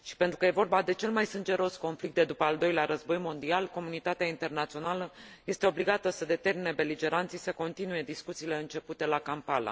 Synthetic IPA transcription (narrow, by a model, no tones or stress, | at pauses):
ʃi̥pe̞nt̪ɾukəje̞vo̞rbad̪e̞t͡ʃe̞lmajsɨnd͡ʒe̞ɾo̞sko̞nflik̚t̪d̪e̞d̪upəald̪o̞jleaɾəzbo̞jmo̞nd̪ialko̞munit̪at̪eaint̪e̞rnat̪sio̞naləje̞st̪e̞o̞bliɡat̪əsəd̪e̞t̪e̞rminebe̞lid͡ʒe̞ɾant̪sisəko̞nt̪inuje̞d̪iskut̪siːle̞ɨnt͡ʃe̞put̪e̞lakampala̰